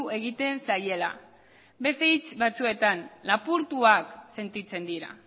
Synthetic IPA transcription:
e̞ɣ̞it̪e̞nsaje̞la̰ | be̞st̪e̞it͡sβat͡sue̞t̪anlapuɾt̪uakse̞nt̪it͡se̞nd̪iɾa̰

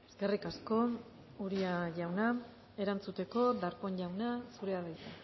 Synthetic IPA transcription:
e̞skerikasko̞ | uɾiaʝawna | e̞ɾant͡sut̪e̞ko̞d̪aɾko̞ɲʎawnasuɾe̞aβejt̪a

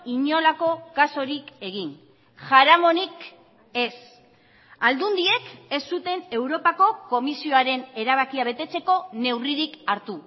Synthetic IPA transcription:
iɲo̞lako̞kaso̞ɾike̞ɣin | ʝaɾamo̞nik | e̞s | ald̪und̪ie̞ke̞sːut̪e̞ne̞wɾo̞pako̞ko̞misio̞aɾe̞ne̞ɾaβ̞akiaβ̞e̞t̪e̞t͡se̞ko̞ne̞wriɾikaɾt̪u

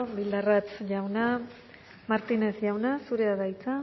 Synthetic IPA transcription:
βild̪arat͡sʝawna | maɾt̪ine̞sʝawnasuɾeaðajt͡sa

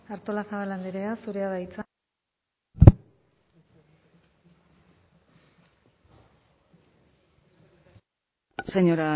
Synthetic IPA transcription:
aɾt̪o̞lasaβaland̪eɾeasuɾe̞aðait͡sa | seɲoɾa

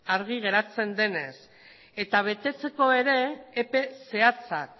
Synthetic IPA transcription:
aɾɣiɣ̞e̞ɾat͡se̞nd̪e̞ne̞s | e̞t̪aβ̞e̞t̪e̞t͡se̞ko̞e̞ɾe̞ːpe̞se̞at͡sak̚

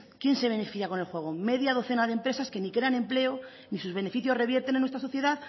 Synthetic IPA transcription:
kje̞nse̞β̞e̞nefiθjako̞ne̞lxwe̞ɣ̞ome̞ðjað̞o̞θe̞naðempɾe̞saske̞nikɾeanẽ̞mple̞o | nisuzβe̞ne̞fiθjo̞re̞βjeɾt̪e̞nenwest̪ɾasoθje̞ðaθ

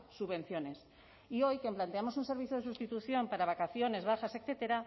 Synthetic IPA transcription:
suβe̞n̟θjo̞ne̞s | io̞jkemplant̪eamo̞sunse̞ɾβiθjoð̞esust̪it̪uθjo̞mpaɾaβ̞akaθjo̞ne̞zβaxasekθet̪eɾa

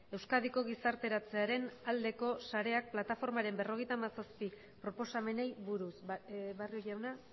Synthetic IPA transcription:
e̞wskað̞iko̞ɣ̞isaɾt̪e̞ɾat͡se̞aɾe̞nald̪e̞ko̞saɾe̞ak̚plat̪afo̞ɾmaɾe̞mbe̞ro̞ɣe̞jt̪aːmasaspi | pɾo̞po̞same̞nejβuɾusβarioʝawna

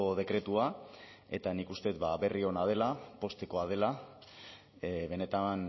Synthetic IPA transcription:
oð̞e̞kɾe̞t̪ua | e̞t̪anikust̪e̞t̪baβe̞rio̞nað̞e̞lapo̞st̪e̞ko̞að̞e̞la | βe̞ne̞t̪an

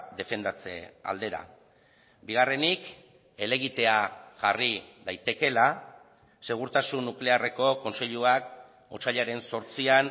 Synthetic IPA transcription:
d̪e̞fe̞nd̪at͡sḛa̰ld̪e̞ɾa̰ | biɣ̞are̞nik | e̞le̞ɣ̞it̪e̞aʝariðajt̪e̞ke̞la | se̞ɣ̞uɾt̪asunːukle̞are̞ko̞ko̞nse̞ʎuak̚ | osaʎaɾe̞nso̞ɾt͡sian

